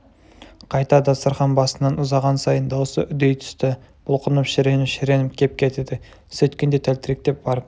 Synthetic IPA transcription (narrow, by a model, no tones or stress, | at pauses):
qʰɑjt̪ɑd̪ɑsəɾχɑnbɑsənɑnʊzɑʁɑnsɑjənd̪ɑwosə̰ʔʏd̪ejt̪ʰʏ̥st̪ɪ | b̥ʊlˠqʰənəpʃɪɾe̞nɪpʃɪɾe̞nɪpkʲʰe̞p̚kʲʰe̞t̪ed̪ɪ | sɵt̪kʲe̞nd̪e̞t̪ʰælt̪ɪɾek̚t̪e̞p̚bɑɾəp